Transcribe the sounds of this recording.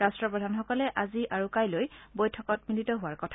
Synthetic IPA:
ɹastɹɔpɹɔdʱanxɔkɔlɛʔaziʔaɹukajlojbojtʰɔkɔt̚militɔɦʊwaɹkɔtʰa

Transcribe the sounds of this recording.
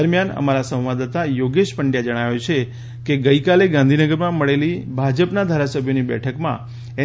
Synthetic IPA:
əɾmjanə̰maɾasə̃wʋad̪at̪ajoɡeʃpəɳɖjad͡ʒəɽ̃aʋet͡ʃʰe | keɡəikaleɡãnd̪ʱinəɡəɾmãməɭelibʱad͡ʒəpnad̪ʱaɾasəbʱjonibɛ̰ʈʰəkmã̰ | e

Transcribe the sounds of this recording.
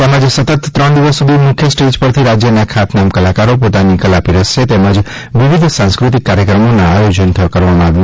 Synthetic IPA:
amãd͡ʒsət̪ət̪ːɾəɳd̪iʋəsːud̪ʱimukʰjəsʈed͡ʒpəɾt̪ʰiɾad͡ʒjənakʰat̪namkəlakaɾopot̪anikəlapiɾəʃʃet̪emãd͡ʒ | ʋiʋid̪ʱsãnskɾut̪̬ikːaɾjəkɾəmonãajod͡ʒənt̪ʰəkəɾʋamãaʋjo

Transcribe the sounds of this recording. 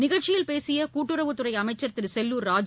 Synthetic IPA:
nɪɣɐɭt͡ʃːɪjɪlpeːsɪjɐkuːʈːɯɾɐʋɯt̪ːɯrɐɪɐmɐɪt͡ʃːɐɾt̪ːɪɾsɛlːuːɾɾaːd͡ʒ

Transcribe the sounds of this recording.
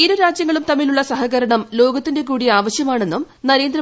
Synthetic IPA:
iɾuɾaːd͡ʑjɐŋːɐɭumt̪ɐmːiluɭːɐsɐɦɐɣɐɾɐɳɐmlo̞ːɡɐt̪ːinde̞k̬uːɽiaːʋɐɕjɐmaːɳe̞nːum | nɐɾe̞ːnd̪rɐ

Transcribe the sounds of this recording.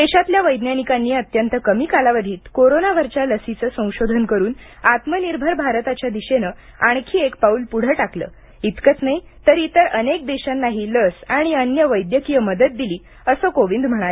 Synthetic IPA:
d̪eɕat̪ljaʋəjd̪njanikanːiːət̪jənt̪əkəmiːkalaʋəd̪ʱiːt̪koɾonaʋəɾt͡ɕjaləsit͡səːsə̃w̃ɕod̪ʱənkəɾuːn | at̪məniɾbʱəɾbʱaɾt̪at͡ɕjad̪iɕenə | aɳ̃kʰiːekpauːlpuɽ̤əʈaklə̰ː | it̪kət͡snaɦi | t̪əɾit̪əɾənek̚d̪eɕanːaɦiːləsaɽ̃iənjəʋəjd̪jəkijəməd̪ət̪̚d̪iliː | əsəkoʋind̪m̤əɽ̃ale

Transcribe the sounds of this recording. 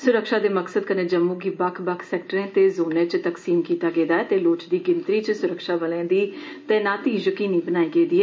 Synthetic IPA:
sʊɾəkʃaːd̪eːməksəd̪̚kənẽːd͡ʒəmːũːɡiːbəkʰbəkʰsɛːk̚ʈəɾẽːt̪eːzoːnẽːt͡ʃt̪əksiːmkiːt̪aːɡeːd̪aːɛːt̪eːloːt͡ʃd̪iːɡɪnt̪ɾiːt͡ʃsʊɾəkʃaːbəlẽːd̪iːt̪eːnãːt̪iːd͡ʒəkiːniːbənaːiːɡeːd̪iːɛ

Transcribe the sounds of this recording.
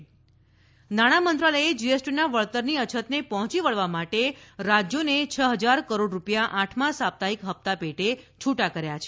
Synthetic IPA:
naɽ̃amənt̪ɾaləed͡ʒiesʈinaʋəɭt̪əɾniət͡ʃʰət̪nepəɦɔ̃t͡ʃiʋəɭʋamaʈeɾad͡ʒjonet͡ʃʰəɦəd͡ʒaɾkəɾoɖɾupjaʔãʈʰmãsap̚t̪aikɦəp̚t̪apeʈet͡ʃʰuʈakəɾjat͡ʃʰe̥

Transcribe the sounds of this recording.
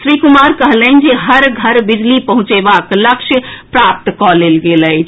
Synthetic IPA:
sɾikumaɾkəɦlənd͡ʒeɦəɾɡʱəɾbid͡ʒlipəɦũt͡ʃebakləkʃʰəpɾap̚t̪kɔlelɡelə

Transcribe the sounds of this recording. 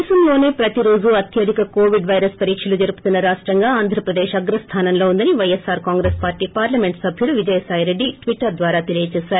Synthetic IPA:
sɐmlo̞ːne̞ːpɾɐt̪iɾo̞ːd͡ʒuɐt̪ʰjɐd̪ʱikɐko̞ːʋiɖʋɐjɾɐspɐɾiːkʂɐlud͡ʒɐɾuput̪unːɐɾaːʂʈɾɐŋɡaːaːnd̪ʱɾɐpɾɐd̪eːʃɐɡɾɐst̪ʰaːnɐmlo̞ːund̪ɐniʋɐjesːaːɾkaːŋɡɾeːspaːɾʈiːpaːɾlɐme̞ɳʈsɐbʱjuɽuʋid͡ʒɐjɐsaːjɾe̞ɖːiʈʋiʈːɐɾd̪ʋaːɾaːt̪elijɐt͡ʃɛːsaːɾu

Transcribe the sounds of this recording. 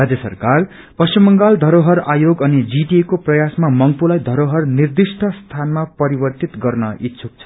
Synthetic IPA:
rad͡zjʌsʌ̰rkar | pʌsimːʌŋɡald̪ʱʌɾoɦʌrajoɡʌnid͡ziʈiekoprʌjasmamʌŋpulajd̪ʱʌɾoɦʌrnird̪isʈʰʌst̪ʰanmapʌɾibʌrt̪it̪ɡʌrnʌit̪t͡sʰuk̚t͡sʰʌ̥

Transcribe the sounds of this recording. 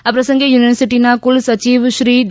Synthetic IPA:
ɐpːɾɐsɐŋɡejuːnɪʋɐɾsɪʈːinaːkʊlsɐt͡ʃiːʋʃɾiːɖ

